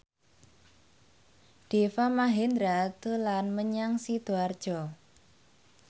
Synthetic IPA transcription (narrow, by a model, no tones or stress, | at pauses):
d̥e̤famaɦend̪ɾat̪əlanməɲaŋsid̪̥o̤ard̥ʒ̥ɔ